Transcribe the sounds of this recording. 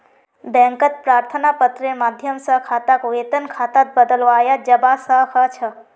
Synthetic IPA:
bɛ̃ŋkət̪̚pɾaːɾt̪ʰənapət̪ɾemad̪ʱjəmsə̃kʰat̪akʋet̪ənkʰat̪at̪̚bəd̪əlʋaːjad͡ʒəbasəɦkʰət͡ʃʰə

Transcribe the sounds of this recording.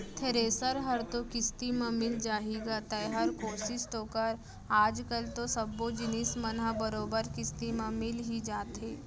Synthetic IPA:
t̪ʰeɾeːsəɾɦəɾt̪okɪst̪imə̃mɪld͡ʒaːɦiɡat̪ɐeɦɐɾkoːɾsisʈ̪oːkəɾ | aːd͡ʒkəlt̪osɐbːod͡ʒɪnɪsmɐnɦabɐɾoːbəɾkɪst̪imãmɪlɦid͡ʒaːt̪ɦeː

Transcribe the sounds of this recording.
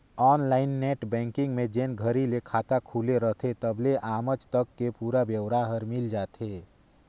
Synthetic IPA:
ɔːnlaːɪnːɛːʈbɛ̃ːŋkɪ̃ŋɡmẽd͡ʒenɡʱəɾilekʰaːt̪akʰuleɾəɦt̪ʰet̪əbleʔaːmət͡ʃt̪əkːepuːɾabjəwɾaɦəɾmɪld͡ʒaːt̪e

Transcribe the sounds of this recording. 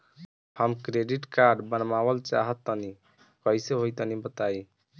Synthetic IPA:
həmkɾeɖiʈkaɾɖbənmabəlt͡ʃa̰ɦət̪ːəni | kəiseɦojt̪ənibət̪ai

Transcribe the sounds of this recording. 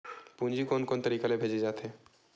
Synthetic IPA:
pũnd͡ʒikoːnkoːnt̪əɾiːkalebʱeːd͡ʒed͡ʒaːt̪ɦe

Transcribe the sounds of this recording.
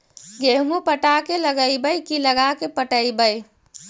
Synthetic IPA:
ɡeɦmupəʈakeləɡəɪbəjkiləɡakepəʈəɪbəj

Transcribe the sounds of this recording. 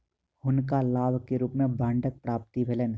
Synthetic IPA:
hʊnkalaːbkeɾuːpmẽbãːɳɖək̚pɾaːp̚t̪ibʱelən

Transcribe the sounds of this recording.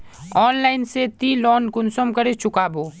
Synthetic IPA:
ɔːnlaːɪnset̪iːlɔːnkʊnsəmkɐɾet͡ʃʊkaːboː

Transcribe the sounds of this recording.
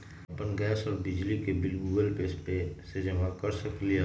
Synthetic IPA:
pənɡɛːsɔːɾbɪd͡ʒlikebɪlɡuːɡəlpespesed͡ʒəmakɐɾsəkli

